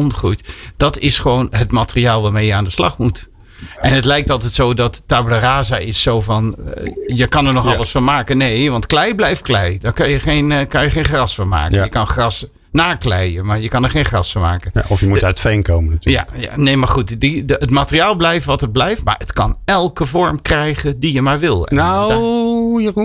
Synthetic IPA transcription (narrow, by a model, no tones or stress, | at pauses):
ɔntχrujtd̥ɔtɪsχəʋoːnɦətmaːtəriaːlˠʋaːmejəaːndəslɑ̰xmut | ʔɛnɦətlɛjk̚tɑlˠtɛtsowdɔtːabləraːzaʔɪsːowvɔnjəkɑnəɹnɔχɑlləsfɔnmaːkənejʋɑntklɛjblɛjft̚klɛjdɔkɑnjəχenkɑnjəχenχrɑsfɔnma̰ːkəəjəkɑnχrɑs | naːklɛjəmaɹjəkɑnəɹχejnχrɑsfɑnma̰ːkənɔfjəmutatfɛjnkowmənatyːjːa̰a̰nejmaɹχutdiətmaːtəriaːlˠblɛjfəʋɑtət̚blɛjftma̰ːɹətkɑnɛlˠkəvɔɹmkrɛjχəndijəmaːɹʋɪlˠɛ̰no | jau